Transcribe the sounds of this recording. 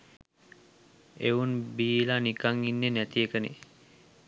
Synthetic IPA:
eunbiːlanikaŋinːenæt̪iekənḛ

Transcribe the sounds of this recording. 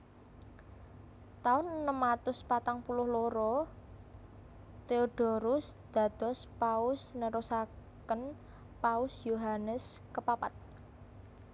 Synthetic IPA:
t̪aʊnnəmat̪ʊspat̪aŋpulʊhloɾɔ | t̪eoɖ̥ɔ̤ɾʊsd̪̥ä̤d̪̥ɔ̤spaʊsnəɾosakən | paʊsjoɦanəskəpapat̪̚

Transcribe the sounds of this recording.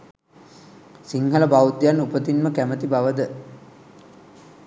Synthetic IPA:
siŋɦələbawd̪janupət̪inməkæmət̪ibaʋəd̪ə

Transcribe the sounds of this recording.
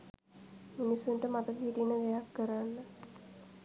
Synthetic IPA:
minisːuɳʈəmat̪əkəɦiʈinːəʋejakːəɾanːə

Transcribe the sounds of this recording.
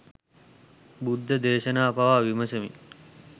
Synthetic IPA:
bud̪ʱːəd̪eːʃənaːpaʋaːʋiməsəmḭ

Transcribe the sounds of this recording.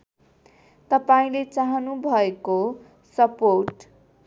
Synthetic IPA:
t̪ʌpaĩlet͡saɦʌnubʱʌeko | sʌporʈ

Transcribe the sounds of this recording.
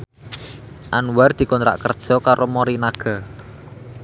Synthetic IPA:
ʔanward̪̥i̤kɔnt̪ɾa̰ʔkərd̥ʒ̥ɔ̤kaɾʔomoɾinaɡ̥a̤

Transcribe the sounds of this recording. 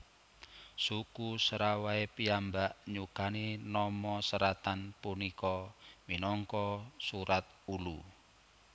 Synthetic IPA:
sukusəɾawaepiambaʔɲukaninɔmɔsəɾat̪anpunikɔminɔŋkɔsuɾat̪̚ | ulu

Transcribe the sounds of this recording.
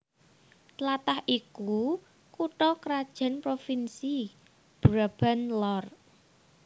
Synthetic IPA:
t̪lat̪ahʔiku | kuʈɔkəɾad̥ʒ̥a̤npɾofinsi | b̥ɾab̥anlɔr

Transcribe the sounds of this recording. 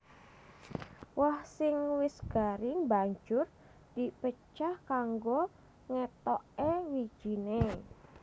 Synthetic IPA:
wahsɪŋwɪsɡ̥aɾɪŋbaɲd͡ʒʊr | d̪̥i̤pət͡ʃahkaŋɡo | ŋɛt̪ɔʔewi̥ʒ̥ine

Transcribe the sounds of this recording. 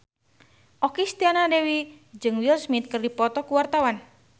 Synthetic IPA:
ʔɔkist̪ianadewi | d͡ʒɨŋwilsmit̪̚kɨrdipɔt̪ɔkuwart̪awan

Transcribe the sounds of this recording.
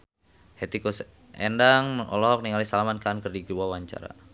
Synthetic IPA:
het̪ikus | ʔɛndaŋʔɔ̰lɔɦɔk̚niŋalisalamankankərdiɡuwawaɲt͡ʃa̰ɾa̰

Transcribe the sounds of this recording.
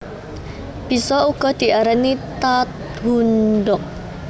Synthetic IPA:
b̥i̤sɔuɡ̥ɔ̤d̪̥i̤ʔaɾanit̪at̪̚ | ɦundɔk̚

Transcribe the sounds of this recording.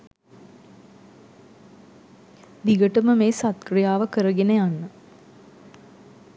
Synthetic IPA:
ʋiɡəʈəməmeːsat̪krijaːʋəkəɾəɡenəjanːə

